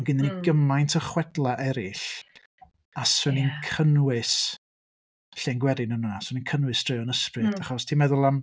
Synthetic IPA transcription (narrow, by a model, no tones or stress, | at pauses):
nɡɪniniɡəmajntʰəχwɛdlˠaʔɛɾɪɬ | asʊninkʰənwɪs | ɬɛnɡwɛɾɪnənənasʊninkʰənwɨsd̥rejɔnəsprɨdaχɔstʰimɛðʊlˠam